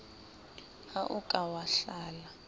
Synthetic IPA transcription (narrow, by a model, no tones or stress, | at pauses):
aʔukʼawaɬaːla